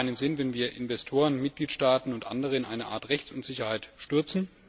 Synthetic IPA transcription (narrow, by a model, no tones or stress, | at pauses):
ɪnənzɪnvɛnviːɐʔɪ̰nvɛstʰoːʁ̞ənmɪt̚ɡ̥liːtʃtaːtn̩ʊntʔa̰ndəʁ̞əɪnʔaɪnəʔa̰ːɐtʁɛçt͡sʊntz̥ɪçɐhaɪtʃtʏɐt͡sn̩